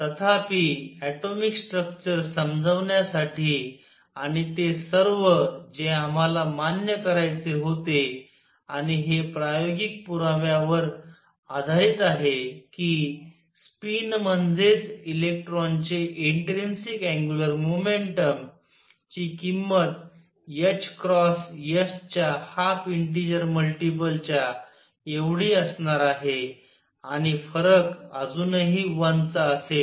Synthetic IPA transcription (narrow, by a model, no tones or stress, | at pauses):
t̪ət̪ʰapiɛʈomiksʈɾək̚t͡ɕəɾsəmd͡zʱəʋɳjasaʈiː | aɽ̃it̪esəɾʋəd͡zeam̤alamanjəkəɾajt͡seɦot̪e | aɽ̃iɦepɾajoɡik̚puɾaʋjaʋəɾ | ad̪ʱait͡saɦekiː | spinmənd͡zʱet͡silek̚ʈɾɔnt͡ɕeʔeɳʈɾinsikæ̃ŋɡjuləɾmomeɳʈəm | t͡ɕiːkimːət̪ | jət͡ɕkɾɔsjəst͡ɕjahapiɳʈ̬id͡ʑəɾməlʈip̬əlt͡ɕja | eʋɽiəsɳaɾaɦe | aɽ̃ifəɾəkad͡zuːnɦiʋant͡saəse